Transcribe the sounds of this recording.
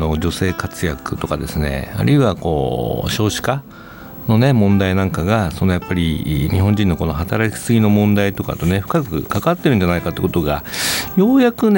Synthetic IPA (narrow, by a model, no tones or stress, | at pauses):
no̞d͡ʑo̞se̞ːkat͡sɨjakɯ̟t̪o̞kad̪e̞sɨne̞̰a̰ɾɯ̟iβako̞̰ːɕo̞ːɕi̥ka | no̞ne̞mõ̞nd̪ainãŋkaɡaso̞no̞japːaɾʲiɲ̟iɦõ̞ɲ̟d͡ʑĩnːo̞ko̞no̞ɦat̪aɾakʲi̥sɨɡʲino̞mõ̞nd̪ait̪o̞ka̰t̪o̞neɸɯ̟̥kakɯ̟̰kakat̪ːeɾɯ̟n̟d͡ʑanaikat̪ːekot̪o̞ɡajo̞ːjakɯ̟ne